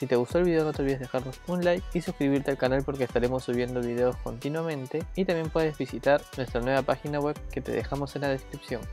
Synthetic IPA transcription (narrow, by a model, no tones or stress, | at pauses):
sit̪e̞ɣust̪oelβiðeono̞t̪eβiazðexaɾno̞sunlajkisuskɾiβ̞iɾt̪ealkanalpo̞ɾkeːst̪aɾe̞mo̞sːuβ̞je̞nd̪o̞βiðe̞o̞sko̞nt̪inwamẽ̞nt̪e̞it̪ambje̞mpwe̞ð̞e̞zβisit̪aɾnwe̞st̪ɾanwe̞βapaxinaɣwe̞bke̞t̪e̞̰ðexamo̞senaðe̞skɾipsjo̞ŋ